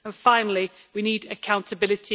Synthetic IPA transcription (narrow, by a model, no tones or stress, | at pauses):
ə̃nfãɪ̃nəli | winiːdəkʰãʊ̃ntʰəbɪlɪtʰi